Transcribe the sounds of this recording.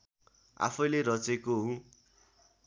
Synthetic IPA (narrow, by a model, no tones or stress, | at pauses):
a̰pʰʌjleɾʌt͡sekoɦũ